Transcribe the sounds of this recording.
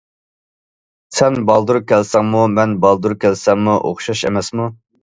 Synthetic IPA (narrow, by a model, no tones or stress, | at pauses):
sɛnbɑlˠd̪uɾkʲʰɛlsɛŋmumɛnbɑlˠd̪uɾkʲʰɛlsɛŋmuʔo̰χʃɑʃḛmɛsmu